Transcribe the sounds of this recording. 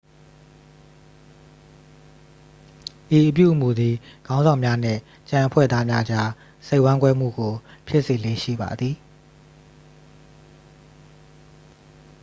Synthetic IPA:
ʔi˨ʔəp̬jṵ˦˨ʔəmu˨d̪ði˨ɡ̥ã˦ʊ̃zã˨ʊ̃mja˦n̥ɪ̰̃˦˨ | t͡ɕã˨ʔəpʰwɛ̰˦˨d̪a˦mja˦ʔd͡ʑa˦ | se˦ɪʔwã˦ŋkwɛ˦m̥ṵ˦˨ɡo˨pʰjɪ˦ʔse˨lḛ˦˨ʃḭ˦˨ba̰˨d̪ði˨

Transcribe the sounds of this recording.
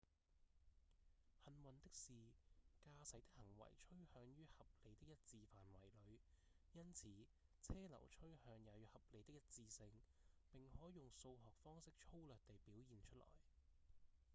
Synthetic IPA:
hɐ˨˧nwɐ˨nt̪ɪ˥k̚siː˨kaː˧sɐ˨˥jt̪ɪ˥k̚hɐ˨˩ŋwɐ̰˨˩jt͡ʃʰɵ˥ɥhœː˨˥ŋjyː˥hɐ˨p̚le˨˧jt̪ɪ˥k̚jɐ˥t̚t͡siː˧faː˨nwɐ̰˨˩jlɵ˨˧ɥjɐ˥nt͡sʰiː˨˥t͡sʰɛː˥lɐ̰˨˩wt͡ʃʰɵ˥ɥhœː˨˧ŋjɐ˨˧wjy˨hɐ˨p̚le˨˧jt̪ɪ˥k̚jɐ˥t̚t͡siː˧sɪ˧ŋpɪ˨ŋhɔː˨˥jʊ˨˩ŋso˧wɦɔː˨k̚fɔː˥ŋsɪ˥k̚t͡ʃʰo˥wlœː˨k̚t̪e˨jpiː˨˥wjiː˨nt͡ʃʰɵ˥lɔ̰ː˨˩j

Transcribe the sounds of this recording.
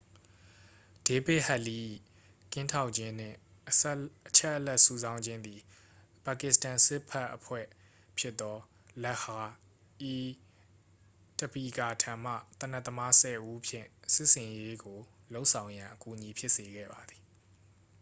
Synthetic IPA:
d̥e˨pɪ˦ʔha˦ʔli˨˦˨ | kɪ̃˦ntʰa˦ʊʔt͡ɕɪ̃˦n̥ɪ̰̃˦˨ | ʔət͡ɕʰɛ˦ʔəlɛ˦ʔsu˦˨zã˦ʊ̃ɲd͡ʑɪ̃˦nd̪i˨ | pa˨kɪ˨stã˨nsɪ˦ʔpʰɛ˦ʔːəpʰwɛ̰˦˨ | pʰjɪ˦t̪ːɔ˦ | lɛ˦ʔha˨ | ʔi˨ | tə˨pi˨ɡa˨tʰã˨m̥ä̰˦˨t̪ə̃˨na˦ʔt̪ːə˦ma˦sɛ˨ʔu˦pʰjɪ̰̃˦˨sɪ˦ʔsɪ̃˨je˦ɡo˨lo˦ʊʔsʰã˨ʊ̃jã˨ʔəku˨ʔɲi˨pʰjɪ˦ʔse˨ɡɛ̰˦˨ba˨d̪i˨

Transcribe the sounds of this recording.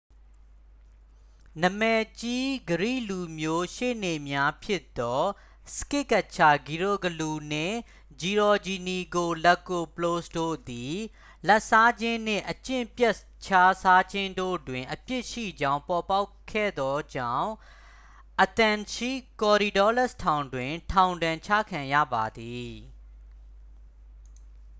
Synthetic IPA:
nə˨mɛ˨t͡ɕi˦ɡəɹḭ˦˨lu˨mjo˦ʃḛ˦˨ne˨mja˦pʰjɪ˦ʔt̪ːɔ˦ | sə̥kɪ˦˨ka˦˨t͡ɕʰa˨ɡi˨ɹo˦˨ɡəlu˨n̥ɪ̰̃˦˨ | d͡ʑi˨ɹɔ˨d͡ʑi˨ni˨ɡo˨lɛ˦˨ko˨pəlo˦sdo̰˦˨d̪i˨ | lɛ˦ʔsa˦d͡ʑɪ̃˦n̥ɪ̰̃˦˨ʔət͡ɕɪ̰̃˦˨mpjɛ˦ʔ | t͡ɕʰa˦sa˦d͡ʑɪ̃˦ndo̰˦˨dwɪ̃˨ʔəpjɪ˦ʔʃḭ˦˨d͡ʑã˦ʊ̃mpɔ˨pa˦ʊkʰːɛ̰˦˨d̪ɔ˦d͡ʑã̰˦˨ʊ̃ | ʔət̪ã˨nʃi˦˨kɔ˨ɾi˨dɔ˦lɛ˦˨stʰã˨ʊ̃ndwɪ̃˨tʰã˨ʊ̃ndã˨ɲt͡ɕʰä̰˦˨kʰã˨jä̰˦˨ba˨d̪i˨

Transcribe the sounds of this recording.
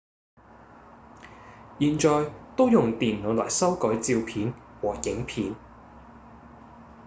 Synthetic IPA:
jiː˨˩nt͡ʃɔː˨jt̪o˥wjʊ˨˩ŋt̪iː˨nlo˨˧wlɔː˨˩jsɐ˥wkɔː˨˥jt͡siː˧wpʰiː˨˥nwɔː˨˩jɪ˨˥ŋpʰiː˨˥n

